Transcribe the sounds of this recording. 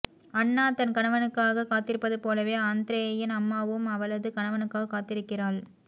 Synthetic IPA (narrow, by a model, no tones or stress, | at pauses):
ɐnːaːt̪ɐnkɐɳɐʋɐnɯkːaːɣɐkaːt̪ːɪɾɯpːɐðɯpoːlɐʋeːaːnd̪ɪɾɐjɐjɪnɐmːaːʋɯmɐʋɐɭɐðɯkɐɳɐʋɐnɯkːaːɣɐkːaːt̪ɪɾɯkːɪraːɭ